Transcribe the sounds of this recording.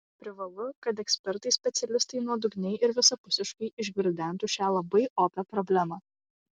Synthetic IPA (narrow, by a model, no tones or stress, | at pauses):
pʲɾʲɪʋɐlˠʊkɐt̪ɛksʲpʲɛɾt̪ɐɪsʲpʲɛt̪sʲɛlʲɪst̪ɐɪnuɔd̪ʊɡnʲɛɪʔɪɾʋʲɪsɐpʊsʲɪʃkɐɪɪʒɡʲɪɾʲd̪ʲæˑnˑt̪uːʃʲæːlˠɐbɐɪʔoːpʲɛpɾɔbʲlʲæmɑ